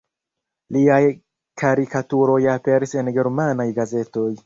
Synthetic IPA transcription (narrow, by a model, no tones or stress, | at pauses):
liaj | kʰaɾikatuɾo̞jape̞ɾise̞nɡe̞ɾmanajɡaze̞to̞j